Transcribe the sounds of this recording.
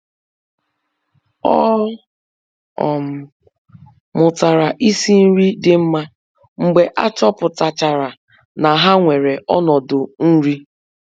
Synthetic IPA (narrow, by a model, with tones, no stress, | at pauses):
ɔ˦ | ɔ̰˨m̩˨ | mʊ˨ta˨ɾa˨ʔi˦si˦n̩˦ɾi˦dɪ˦m̩˦ma˦ | ŋ͡m̩˨ɡ͡be˨ʔa˦t͡ʃɔ˦pʊ˨ta˨t͡ʃa˨ɾa˨ | na˨ɦa˦ŋʷe˨ɾe˨ɔ˦nɔ˨dʊ˨n̩˦ɾi˦